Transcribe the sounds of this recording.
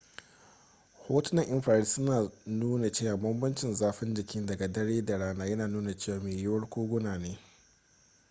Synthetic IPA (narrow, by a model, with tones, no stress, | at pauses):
hoː˦tʊ˦nɐ˦˨ŋʔɪ˦mɸaː˨ɾi˦sʊ˦naː˨nuː˦na˨t͡ʃeː˦˨waː˨bɐ˦mbɐ˦nt͡ʃɪ˨nzaː˦ɸɪ˦nd͡ʒɪ˨kʲɪ˦ndɐ˨ɡa˨dɐ˦ɽeː˦da˨ɽaː˦naː˦jɐ˦naː˨nuː˦na˨t͡ʃeː˦˨waː˨meː˨jʊ˦wɐ˦rkʷoː˦ɡʷʊ˦naː˨neː˦